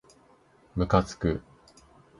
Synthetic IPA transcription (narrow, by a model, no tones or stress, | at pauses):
mɯ̟kat͡sɨ̥kɯ